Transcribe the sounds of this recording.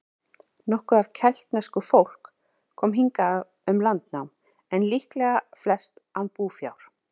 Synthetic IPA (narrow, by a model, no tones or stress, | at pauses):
nɔhkʏav̥cʰɛl̥t̪nɛskʏfowl̥kʰː | ɔːmɦiŋka | ʏmlant̪nawm | ɛnlihklɛɣaflɛ̥st̪anpuːfja̰wɾ̥